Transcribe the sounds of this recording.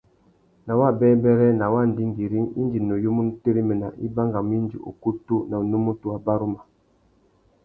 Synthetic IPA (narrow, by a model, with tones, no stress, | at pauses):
na˨wa˦˨bɛː˦bɛ˦ɾɛ˦na˨wa˦˨n̩˨di˦ŋ˦ɡi˨ɾi˦ŋḭ˦nd͡ʒi˨no˨jo˦mu˦n˦te˦ɾi˦me˨na̰˨ʔi˦ba˦ŋɡa˨m˦i˦nd͡ʒḭ˨ʔo̰˨ku˦tu˦na˨nu˦mu˦tu˦a˨ba˦ɾu˦ma˨